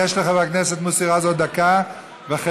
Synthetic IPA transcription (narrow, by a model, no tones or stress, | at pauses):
eʃleχabakneset̪musiʁazod̪aka | veaχ